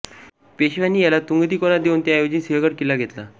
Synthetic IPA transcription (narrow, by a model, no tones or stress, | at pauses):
peɕʋanːiːjalat̪uŋɡət̪iːkɔnad̪ewnt̪jaajod͡ʑinsiɦəɡəʈ̚kilaɡʱet̪la̰